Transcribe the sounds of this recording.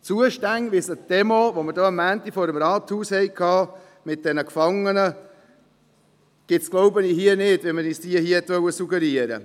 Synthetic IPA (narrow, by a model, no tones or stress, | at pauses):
t͡suəʃtæŋʋɪsəd̥ɛmoʋoməɾdoːəmːæːntifɔɾəmɾɑːt̪huːshɛɪkʰɑː | mɪt̚d̥ɛnəkfɑŋːənə | ɡ̥ɪtsɡ̥lɔʊbəniːɦiənɪdʋɛməniːsd̥iəhiəhɛt̪ʋœwəsuɡəɾiəɾə̰